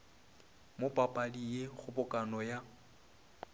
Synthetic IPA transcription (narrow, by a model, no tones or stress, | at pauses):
mopʼapʼadijeɣʊbʊkʼanɔja